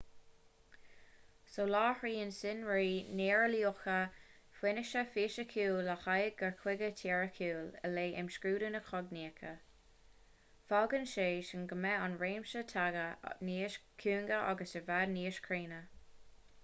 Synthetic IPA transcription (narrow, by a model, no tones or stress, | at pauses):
soːlɑːhɹiːənsɪnɹiːneːɹəlioxə | fwɪnɪʃəfiːʃəkʰuːləxajɡəɹkʰwɪɡətʰɛːɹəkʰuːlə̰leːʔɪmʃkɹuːɾənəxɔɡniːkʰə | falɡənʃeːʃənɡəmɛanɹeːmʃətʰaɡə̰niːʃkʰuːŋɡəʔa̰ɡəsəvadniːəʃkʰɹiːnə